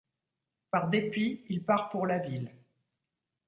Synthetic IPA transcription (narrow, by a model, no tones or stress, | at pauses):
paʁd̪epiːlpaʁpuʁlavil